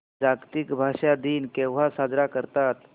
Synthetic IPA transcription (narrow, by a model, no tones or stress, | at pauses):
d͡zaɡt̪ikbʱaʂad̪iːnkɛ̃wʋ̤asad͡zɾakəɾt̪at̪